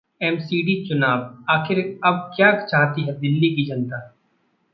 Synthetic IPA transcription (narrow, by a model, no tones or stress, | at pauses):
ɛmsiːɖit͡ʃʊnaːʋaːkʰɪɾɐb̚kjaːkt͡ʃaːɦt̪iɦɛd̪ɪlːikid͡ʒɐnt̪a